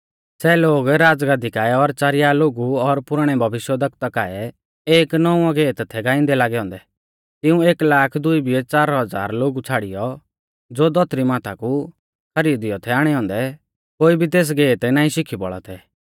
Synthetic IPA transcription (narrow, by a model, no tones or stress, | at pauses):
sɛːloːɡɾaːd͡zɡãːd̪ikaːɛɔɾt͡ʃaːɾɪjaloːɡuɔɾpʊɾəɽ̃ɛbʱɐʋɪʃjəd̪ʱɐk̚t̪akaːɛ | eːknɔũãɡɛːt̪t̪ʰɛɡãːɪ̃nd̪ɛlaːɡɛɦɔ̃ːnd̪ɛ | t̪ɪũeːklaːkʰd̪ʊibiɛt͡saːɾɦɐd͡za̰ːɾloːɡut͡sʰaːɽɪjɔ | d͡zoːd̪ɔt̪ɾimaːt̪ʰaku | kʰɐɾiːd̪ɪjɔt̪ʰɛaːɽ̃ɛɦɔ̃ːnd̪ɛ | koːibʱit̪̬eːs̬ɡɛːt̪naːĩʃɪkʰibɔ̰ɭa̰t̪ʰɛ